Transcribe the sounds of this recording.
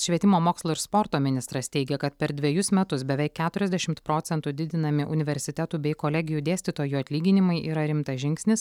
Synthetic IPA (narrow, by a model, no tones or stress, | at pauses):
ʃʲʋʲiɛt̪ʲɪmoːmoːkslˠoːɪɾspoɾt̪oːmʲɪnʲɪst̪ɾɐst̪ʲɛɪɡʲɛkɐt̪pʲɛɾd̪ʲʋʲiɛjʊsmʲɛt̪ʊsbʲɛʋʲɛɪkʲːæːt̪ʊɾʲɛzʲd̪ʲɛʃʲɪmt̪pɾoːt̪sʲɛnt̪ud̪ʲɪd̪ʲɪnɐmʲɪʔʊnʲɪʋʲɛɾʲsʲɪt̪ʲɛt̪uːbʲɛɪkoːlʲɛɡʲɪjuːd̪ʲeːsʲt̪ʲɪt̪oːjuɐt̪ʲlʲiːɡʲɪnʲɪmɐɪʔiːɾɐɾʲɪmt̪ɐʒʲɪŋʲksʲnʲɪs